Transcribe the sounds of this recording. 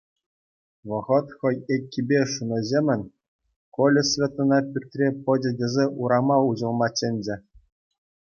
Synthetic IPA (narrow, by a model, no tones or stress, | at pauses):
ʋɤ̆ʁɤ̆t̪χɤ̆jekʲːibʲeʂunɤ̆zʲemʲɘ̆nʲ | kolʲɘ̆sʲvʲet̪ːɤ̆nɑpʲyrʲt̪ʲrʲepɤ̆d͡ʑʲɘ̆dʲezʲeʔuɾɑmɑuʑɤ̆lˠmɑt͡ɕːenʲd͡ʑɘ̆